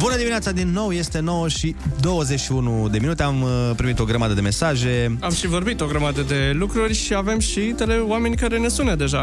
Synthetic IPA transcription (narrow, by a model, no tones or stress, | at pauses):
bunəd̪iminat̪sad̪inːo̞wje̞st̪e̞no̞wəʃid̪o̞wəzet͡ʃʃiunud̪e̞minut̪e̞ampɾimit̪o̞ɡɾəmad̪əd̪e̞me̞saʒe̞amʃivo̞rbit̪o̞ɡɾəmad̪əd̪e̞lukɾurʲʃiave̞mʃit̪elewame̞nʲkaɾe̞ne̞sunəd̪e̞ʒa